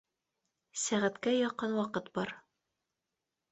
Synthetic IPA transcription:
sæʁæt̪kæjɒqːɤnwɒqɤt̪bɒɾ

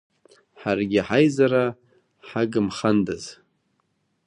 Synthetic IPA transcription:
ħarɡʲɪħajzaɾa | ħaɡɨmχandaz

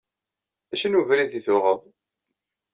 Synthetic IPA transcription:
æʃənuvɾiðiθʊʁəðˤ

